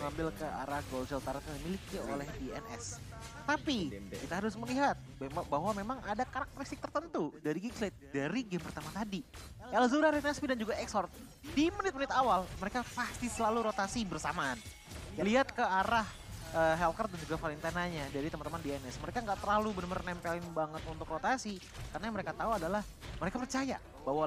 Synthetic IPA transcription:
məŋambɪlkəʔa̰ɾahɡolsɛlt̪aɾat̪jaŋdimilikio̰lɛhdiɛ̰nʔɛ̰s | t̪apikit̪aɦaɾʊsməliɦat̪̚baɦwamemaŋʔadakaɾak̚t̪əɾist̪ɪk̚t̪ərt̪ənt̪udaɾiɡikslet̪̚daɾiɡɛmpərt̪amat̪adikalazuɾaɾiɛnɛspidand͡ʒuɡaɛksɔrt̪̚ | dimənɪt̪̚mənɪt̪awalməɾekapast̪isəlaluɾot̪asibərsamaːn | jaliɦat̪̚kəaɾah | əɦɛlkərt̪̚dand͡ʒuɡafalint̪anaɲadaɾit̪əmant̪əmandianɛsməɾekaŋɡaʔt̪ərlalubənəmərnɛmpɛlɪnbaŋət̪unt̪ʊkrot̪asi | karnajaŋməɾekat̪auadalah | məɾekapərt͡ʃaja̰ | bawa

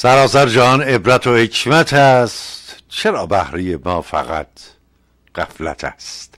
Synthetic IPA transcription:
sæɾɒːsæɾd͡ʒæhɒːne̞bɾæt̪ʰohecʰmæt̪ʰæst̪t͡ʃʰe̞ɾɒːbæhɾejemɒːfæ̰ɣæ̰t̪ʰ | ɢ̥æ̰flæ̰t̪ʰæ̰st̪

